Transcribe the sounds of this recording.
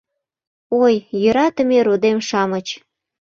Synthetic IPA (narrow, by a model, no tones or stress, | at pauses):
ojːøɾɑt̪ə̆meɾod̪emʃɑmət͡ɕ